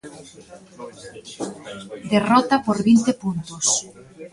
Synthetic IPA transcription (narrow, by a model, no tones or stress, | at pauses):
d̪erɔt̪apoɾβint̪epunt̪os